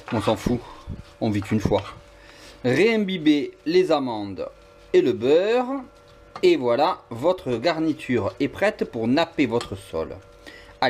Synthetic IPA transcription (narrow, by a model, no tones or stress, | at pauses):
ɔ̃sɑ̃fuɔ̃vit̪ynfwa | ʁeɛ̃bibelezamɑ̃d̪ | eləbœʁ | evwalavɔt̪χəɡaʁnit̪ʰyʁɛpχɛt̪puʁnapevɔt̪χəsɔ̰l | a